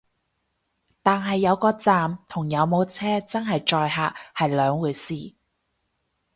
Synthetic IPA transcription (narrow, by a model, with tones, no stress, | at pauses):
t̪aː˨nɦɐ˨jːɐ˨˧wkɔː˧t͡saː˨mt̪ʰʊ˨˩ŋjɐ˨˧wmo˨˧wt͡sʰɛː˥t͡sɐ˥nɦɐ˨jt͡ʃɔː˧jɦaː˨˩hɐ˨jlœː˨˧ŋwuː˨˧jsiː˨